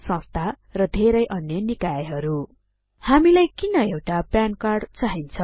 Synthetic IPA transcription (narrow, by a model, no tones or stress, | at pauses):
sʌ̃st̪ʰa | rʌd̪ʱeɾʌjʔʌnjʌnikajʌɦʌɾu | hamilajkinʌewʈapjankarɖt͡saɦint͡sʰʌ